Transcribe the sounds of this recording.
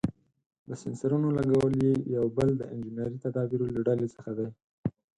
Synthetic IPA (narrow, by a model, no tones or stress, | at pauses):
d̪əsɪnsaɾunolaŋɡawəljejawbəld̪əʔɪnd͡ʒɪnaɾit̪ad̪ɑbiɾolaɖalet͡səxad̪aj